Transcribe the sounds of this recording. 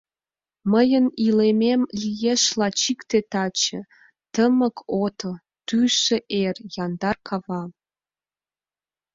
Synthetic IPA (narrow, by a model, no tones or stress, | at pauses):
məjənilememlʲijeʃlɑt͡ɕikt̪et̪ɑt͡ɕə̰̆ | t̪əməkʰot̪ʰo | t̪yʃĕʔerjɑnd̪ɑrkʰɑvɑ